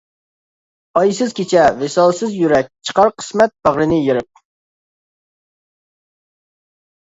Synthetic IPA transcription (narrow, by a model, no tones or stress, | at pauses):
ɑjsɨz̥kʲʰet͡ʃʰɛvesɑlˠsɨzjyɾɛk̚ʲt͡ʃʰə̥qɑɾqʰə̥smɛt̪̚bæʁɾɨnɪjeɾɪp̚